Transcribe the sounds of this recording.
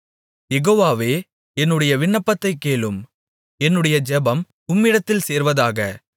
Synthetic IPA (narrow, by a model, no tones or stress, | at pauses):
jɛɣoːʋaːʋeː | ɛnːɯɽɐjɐʋɪɳːɐpːɐt̪ːɐɪkːeːɭɯm | ɛnːɯɽɐjɐd͡ʒɛbɐm | ʊmːɪɽɐt̪ːɪlseːɾʋɐðaːɣɐ